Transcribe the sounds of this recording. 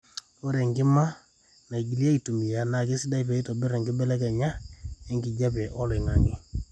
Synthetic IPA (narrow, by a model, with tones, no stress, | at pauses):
o˦ɾɛ˨ŋɡɪ˦ma˦ | na˨i˨ɡi˨li˦a˦i˨tu˨mi˨ja˨na˨kɪ˦sɪ˦da˦i˨pɛ˨i˦tɔ˨bɪ˦ɾɛ˨ŋɡɪ˦bɛ˦lɛ˦kɛ˨ɲa˦ɛ˦ŋɡɪ˨d͡ʒa˦pɛ˨ʔɔ˦lɪ˨ŋa˨ŋɪ˦